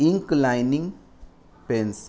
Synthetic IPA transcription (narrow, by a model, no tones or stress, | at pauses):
iŋklajnĩŋ | pẽns